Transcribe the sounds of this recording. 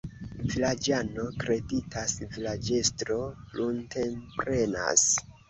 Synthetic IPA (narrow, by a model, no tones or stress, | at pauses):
vilad͡ʒano̞kɾe̞ditʰasvilad͡ʒe̞stɾo̞lʔunte̞mpɾe̞na̰s